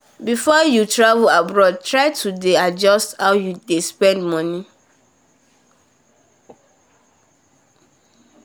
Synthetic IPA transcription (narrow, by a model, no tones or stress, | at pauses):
bifɔjutʰɹavulabɹɔd̚tʰɹaɪtʰudead͡ʒɔsthawjudespɛ̃ndmɔ̃nĩ